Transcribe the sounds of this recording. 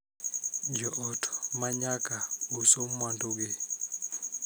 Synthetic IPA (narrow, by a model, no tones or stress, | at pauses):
d͡ʒɔʔɔtʰmaɲakausomːwandoɡe